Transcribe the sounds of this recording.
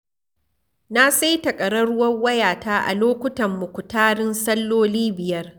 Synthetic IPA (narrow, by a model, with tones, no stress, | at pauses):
na˦sa˦jtɐ˨kʼɐ˨ɽɐ˦ɽʊ˦wɐ˦ŋwɐ˦jaː˨taː˦ʔa̰˨loː˦kʷʊ˦tɐ˨mːʊ˨kʷʊ˨taː˦ɽɪ˦nsɐ˦lːoː˦liː˦bɪ˨jɐ˦r